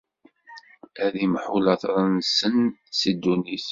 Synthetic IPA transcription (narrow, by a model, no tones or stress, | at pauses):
æðimħulɑθɾˤənsənsid̪unis